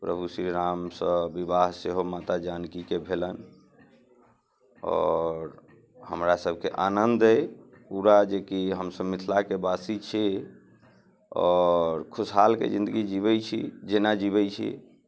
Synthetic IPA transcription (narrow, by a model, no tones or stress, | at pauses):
pɾəbʱusɾiɾamsə̃bibaɦseɦomat̪ad͡ʒankikebʱelən | ɔ̰ːɾ | hə̰mɾasəbʱkeʔanənd̪əj | puɾad͡ʒekiɦəmsəbmit̪ʰlakebasit͡ʃʰi | ɔ̰ːɾkʰusɦalkḛd͡ʒĩnd̪əɡid͡ʒiβɛt͡ʃʰḭd͡ʒenad͡ʒiβɛt͡ʃʰḭ